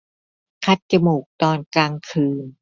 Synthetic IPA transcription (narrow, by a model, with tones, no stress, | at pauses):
kʰa˧˥t̪̚t͡ɕa˧muː˨˩k̚t̪ɔː˧nkaː˧ŋkʰɯː˧n